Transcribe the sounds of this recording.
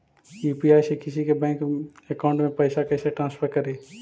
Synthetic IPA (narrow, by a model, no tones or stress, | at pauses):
juːpiaːjsekɪsikebɛ̃ːŋk | ekaʊɳʈmẽpəɪsakɐɪseʈɾãːnspʰəɾkəɾeː